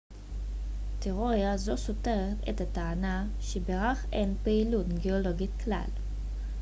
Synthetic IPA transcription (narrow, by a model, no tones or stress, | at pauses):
teʁoʁjazo̞so̞te̞ʁetḛtataːna | ʃebeʁaχʔenpeilutɡeolo̞ɡitkla̰l